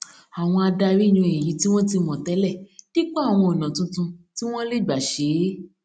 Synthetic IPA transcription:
a˨w̃ɔ̃˧a˧da˧ɾi˦˨ɲ̃ũ˧e˨jĩ˨˦ti˦w̃ɔ̃˦ti˧mɔ̃˨tɛ˨˦lɛ˦˨d̥i˦k͡pɔ˦a˦˨w̃ɔ̃˧o˨nã˨tũ˧tũ˧ti˦w̃ɔ̃˦le˦˨ɡ͡ba˨ʃe˨˦

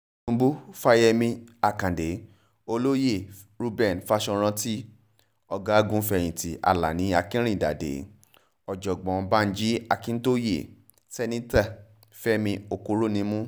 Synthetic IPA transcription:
ũ˧˦bu˦fa˧jɛ˧mĩ˧a˨kã˨de˨˦ | o˧lo˦je˦˨ | ɾu˧bɛ˦˨n˨fa˧ʃɔ̃˧ɾ̃ã˧ti˦ | ɔ˧ɡa˦ɡũ˦fɛ˧˨j̃ĩ˨ti˨˦a̰˨la̰˨nĩ˨˦a˧kĩ˦ɾ̃ĩ˦˨da̰˨dḛ˨˦ | ɔ˨d͡ʒɔ˨ɡ͡bɔ̃˨˦ba˦˧n̩˦d͡ʒi˦a˧kĩ˦n̩˦to˦jḛ˦˨ | sɛ˧nĩ˦ta˦˨ | fɛ˦mĩ˧o˨ko˧˦ɾo˦nĩ˧˦mũ˦

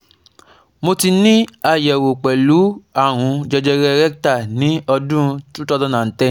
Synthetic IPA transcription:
mo˧ti˧nĩ˦a˨jɛ˨wo˨k͡pɛ˨lu˨˦a˦˨w̃ũ˨˧d͡ʒɛ˧d͡ʒɛ˧ɾɛ˦˧ɾɛ˦kta˦˨nĩ˨˦ɔ˧dũ˦˧tũ˦tɔ˧dɔ̃˦nã˨tɛ˦

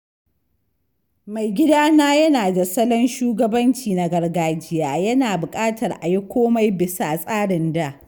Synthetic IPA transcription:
ma˨jɡʲɪ˦daː˦naː˦jɐ˦naː˨da˨sɐ˦lɔ˦nʃuː˦ɡɐ˦bɐ˦nt͡ʃiː˨na˨ɡɐ˨rɡaː˨d͡ʒɪ˦jaː˨jɐ˦naː˨bʊ˨kʼaː˦tɐ˨rʔa˨ji˦kʷoː˦ma˦jbɪ˨sa˦˨sʼaː˦ɽɪ˨nda˦˨ʔ

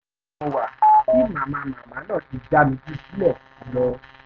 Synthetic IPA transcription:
o˧wa˨ki˦mã˨mã˧mã˨mã˨˦lɔ˦˨ti˧d͡ʒa˦mĩ˧˦d͡ʒi˦˨si˨˦lɛ˦˨u˨˦˨lɔ˧

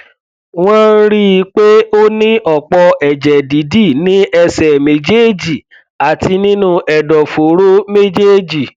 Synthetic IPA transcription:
w̃ɔ̃˦ɾi˦˧k͡pe˦o˦nĩ˦ʔɔ˨k͡pɔ˧ɛ˨d͡ʒɛ˨di˨˦di˦˨nĩ˦ʔɛ˧sɛ˨mẽ˨d͡ʒe˦˨d͡ʒi˨ | a˨ti˧nĩ˦nũ˦ʔɛ˨dɔ˨fo˨˦ɾo˦me˦d͡ʒe˦d͡ʒi˨

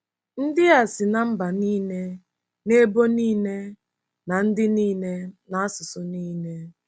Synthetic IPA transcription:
n̩˦dɪ˦a˨sɪ˨na˦m̩˦ba˨niː˦ne˦ | ne˦bo˦niː˦ne˦ | na˨n̩˦dɪ˦niː˦ne˦na˨a˦sʊ˨sʊ˨niː˦ne˦

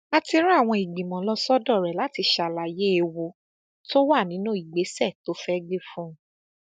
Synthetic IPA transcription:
a˧ti˧ɾa˦˨w̃ɔ̃˧i˨ɡ͡bĩ˨mɔ̃˨˦lɔ˧sɔ˦dɔ˦˨ɾɛ˨la˨˦ti˧ʃa˨la˨je˦e˧wo˧ | to˦wa˦˨nĩ˨˦nũ˦i˨ɡ͡be˨˦sɛ˦˨to˦fɛ˦ɡ͡be˦fũ˦

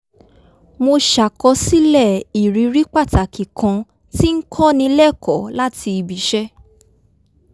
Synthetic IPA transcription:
mo˧ʃa˨kɔ˧si˦lɛ˦˨i˨ɾi˨˦ɾi˦k͡pa˦˨ta˨kʰi˨kʰã˧ | ti˦ŋ̩˦kʰɔ˦˨nĩ˧lɛ˦˨kʰɔ˨˦la˦tʰi˧i˧bi˨˦ʃɛ˦

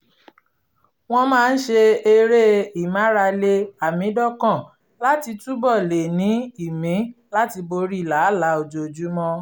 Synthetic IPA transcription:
w̃ɔ̃˦mãː˦˧n̩˦ʃe˧e˧ɾe˦i˨mã˨˦ɾa˧le˧a˨mĩ˨˦dɔ˦kã˦˨ | la˦ti˧tu˦bɔ˦˨le˨nĩ˨˦i˦˨mĩ˨˦la˦ti˧bo˧ɾi˦˨la˨˦la˨˦o˧d͡ʒo˨d͡ʒu˨˦mɔ̃˧

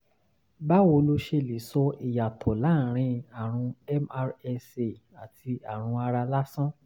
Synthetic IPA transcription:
ba˦wo˧lo˦ʃe˧˨li˨˦sɔ˧ʔi˨ja˨tʰɔ˨la˨˦˨ɾ̃ĩ˧a˦˨ɾ̃ũ˧ɛ˦m˦˧ɛ˧se˨ | a˨tʰi˧a˨ɾ̃ũ˧a˧ɾa˧la˦sɔ̃˦

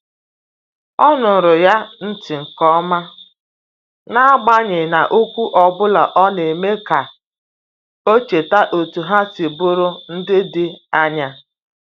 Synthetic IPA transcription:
ɔ˦nʊ˨n̩˨ɾʊ˨ja˦n̩˦tɪ˨ŋ̩˨kɔ˦ma˦ | na˦a˦ɡ͡ba˦ɲɪ˨na˨ʔo˦kʷu˦ʔɔ˨bʊ˦la˨ʔɔ˦ne˨me˦ka˨ | o˦t͡ʃe˨ta˦ʔo˨tu˨ɦa˦si˨bʊ˦ɾʊ˦n̩˦dɪ˦dɪ˨a˦ɲa˦

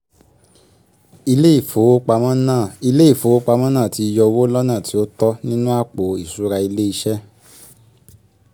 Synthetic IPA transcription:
i˧le˦i˦˨fo˨˦o˦k͡pa˧mã˦nã˦˨i˧le˦i˦˨fo˨˦o˦k͡pa˧mã˦nã˦˨ti˨˧i˧jɔ˧wo˦lɔ˦nã˦˨ti˨˦o˦tɔ˦nĩ˦nũ˦a˦˨k͡po˨i˨su˨˦ɾa˧i˧le˦i˧ʃɛ˦

